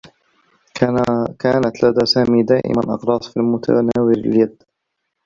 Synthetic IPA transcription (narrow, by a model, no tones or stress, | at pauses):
kaːnat̪lad̪aːsaːmiːd̪aːʔɪ̰manʔɑ̰qɾˤɑːsˤfilmʊt̪ʰa̰naaːwɪɾɪljad̪